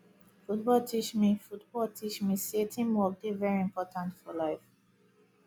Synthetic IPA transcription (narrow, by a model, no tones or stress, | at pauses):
fut̚bɔltʰit͡ʃmifutb̥ɔltʰit͡ʃmisetʰĩmwɔk̚devɛɹiɪ̃mpʰɔtʰãntfɔlaɪf